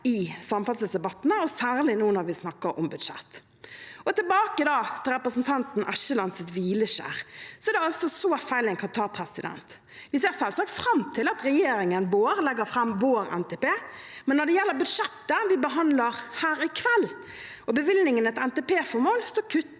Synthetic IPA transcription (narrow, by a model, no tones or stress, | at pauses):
ɪsɑmfɑt̪səlsd̪ɛbɑt̪ːnəɔsæːʁlɪnuːənɑʁʋɪsnɑkːəɾɔ̰mbʉd̪ʂɛ̰t̪ː | ɔt̪ɪlbɑːkəd̪ɑːt̪ʰɪlɾɛpɾəsn̩t̪ʰɑnt̪n̩ʔæʃəlɑnsɪt̪ʋiːləʃæ̰ːʁsɔɛd̪ɛɑlsɔsɔfæɪlɛɪŋkʰɑnt̪ʰɑːpʰɾɛsɪd̪ɛ̰nt̪ | ʋɪseːʁsɛlsɑːk̚t̪fɾɑmt̪ʰɪlɑt̪ɾɛjeːɾɪŋənʋoːɾlɛɡəɾfɾɑmʋoːɾɛ̰nt̪ɛpeːmɛnːɔɖ̪ɛjɛlːəʁbʉd̪ʂɛt̪ːəʋɪbəɦɑnd̪ləɾhæːɾɪkʰʋɛlː | ɔbəʋɪlnɪŋənɛt̪ɛnt̪ɛpeːfɔɾmoːlsɔkʰʉt̪ː